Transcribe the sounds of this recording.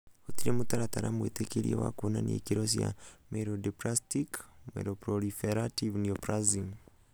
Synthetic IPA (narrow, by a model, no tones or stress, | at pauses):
otiɾemutaɾataɾamuwetekeɾḭḛwa̰kunaniekiɾosia̰meɾodipɾastikmḛɾopɾɔlifeɾativniopɾaziŋ